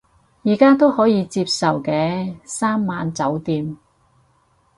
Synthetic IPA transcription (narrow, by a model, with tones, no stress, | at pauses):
jiː˨˩kaː˥t̪o˥whɔː˨˥jiː˨˧t͡siː˧p̚sɐ˨˩wkɛː˧saː˥mːaː˨˧nt͡sɐ˨˥wt̪iː˧m